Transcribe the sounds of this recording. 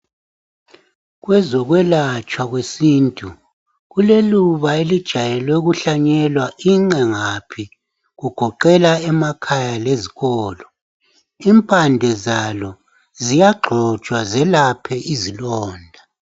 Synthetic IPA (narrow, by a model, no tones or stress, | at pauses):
ɣwɛzɔɣwɛlat͡ʃʼwaɣwesiːntʼu | ɣuleluβaelid̥ʒ̥ʱajɛlwɛɣuɬaɲɛlwaʔiŋ͡ǀɛŋapʰi | ɣuɡ̥ʱɔǃɛlaɛmakʰajaleziɣɔːlɔ | impʼandʱɛzalɔ | zijaɡ͡ǃʱɔ̥ʒ̥ʱwazɛlapʰɛʔizilɔːndʱa